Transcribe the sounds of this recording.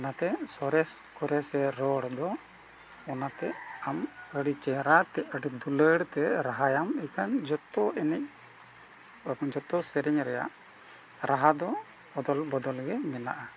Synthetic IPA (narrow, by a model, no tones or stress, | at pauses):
ɔnat̪ɛsɔɾɛskɔɾɛsɛɾɔɽd̪ɔ | ɔnat̪ɛaməɽit͡ʃɛɾat̪ɛəɽid̪uləɽt̪ɛɾaɦajamikand͡ʒɔt̪ɔɛnɛc̚ | kɔnd͡ʒɔt̪ɔsɛɾɛɲɾɛja̰ʔ | ɾaɦad̪ɔ | d̪ɔlbɔd̪ɔlɡɛmɛna̰ʔa